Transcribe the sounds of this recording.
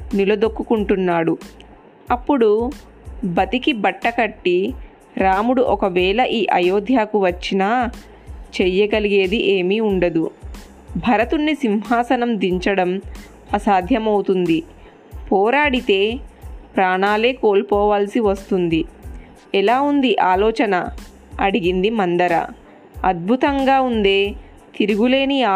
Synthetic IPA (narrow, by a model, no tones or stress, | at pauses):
nilɐd̪okːukuɳʈunːaːɽu | ɐpːuɽu | bɐt̪ikibɐʈːɐkɐʈːi | ɾaːmuɽuʔɔkɐʋɛːlɐʔiːʔɐjoːd̪ʱjaːkuʋɐt͡ʃːinaː | t͡ʃɛjːɐɡɐliɡe̞ːd̪iʔeːmiuɳɖɐd̪u | bʱɐɾɐt̪unːisinɦaːsɐnɐmd̪iɲt͡ʃɐɽɐm | ɐsaːd̪ʱjɐmɐwut̪und̪i | pɔːɾaːɽit̪e̞ːpɾaːɳaːle̞ːkoːlpɔːʋaːlsiʋɐst̪und̪i | ɛlaːund̪iʔaːlɔːt͡ʃɐnɐ | ɐɽiɡind̪imɐnd̪ɐɾɐ̰ | ɐd̪̚bʱut̪ɐŋɡaːund̪e̞ː | t̪iɾuɡule̞ːniaː